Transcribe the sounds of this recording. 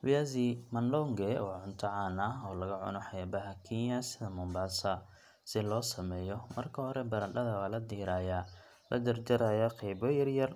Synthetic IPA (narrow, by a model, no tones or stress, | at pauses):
wɪjaːzimɐnlɔŋɡɛɔːʕʊnt̪ʰɐʕɑːnɐɔːlɐɣɐʕʊ̰nɔħɑjaːbɐɦɐkʰinjɐsɪðɐmʊmbaːsɐ | sɪlɔːsɐmɛːjɔmɐrkʰɐhɔɾɛbɐɾɐɗɐðɐwaːlɐd̪iːɾaːjaː | lʔɐ̰d̪ɐrd͡ʒɐɾaːjaqɛjbɔjɐrjɐr